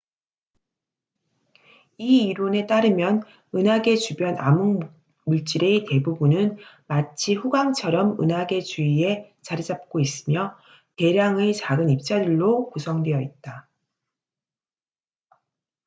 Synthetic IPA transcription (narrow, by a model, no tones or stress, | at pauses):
iiɾone̞t͈aɾɯmjʌn | ɯnaɡe̞t͡ɕubjʌna̰muŋ | muɭt͡ɕ͈iɾete̞bubunɯn | mat͡ɕʰiɸuɡaŋt͡ɕʰʌɾʌmɯ̰nɦaɡe̞t͡ɕuie̞t͡ɕaɾid͡ʑap̚k͈ois͈ɯmjʌ | te̞ɾjaŋet͡ɕaɡɯnip̚t͡ɕ͈adɯɭːokusʰʌŋdwe̞jʌit̚t͈a